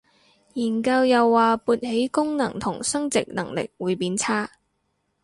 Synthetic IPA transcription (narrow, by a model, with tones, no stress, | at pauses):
jiː˨˩nkɐ˧wjɐ˨wːaː˨puː˧t̚he˨˥jkʊ˥ŋnɐ˨˩ŋt̪ʰʊ˨˩ŋsɐ˥ŋt͡sɪ˨k̚nɐ˨˩ŋlɪ̰˨k̚wuː˨˧jpiː˨˥nt͡sʰaː˥